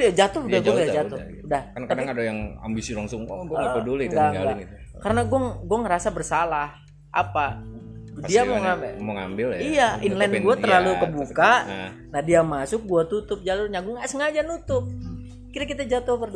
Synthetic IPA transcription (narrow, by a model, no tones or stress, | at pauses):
jad͡ʒat̪ʊhudahɡuajad͡ʒat̪ʊ | udahkankadaŋadajaŋa̰mbisilaŋsʊŋ̰ɡukədoleŋɡaŋɡaɡaŋi | kaɾənaɡuaŋɡuaŋəɾasabərsalah | ʔa̰pa | diamoŋambməŋa̰mbɪljijainlɛnɡuat̪ərlalukəbukka | nahdiamasʊk̚ɡuat̪ut̪ʊp̚d͡ʒalʊrɲaɡuaŋasəŋad͡ʒanut̪ʊp̚ | kiɾakit̪ad͡ʒat̪ʊhpər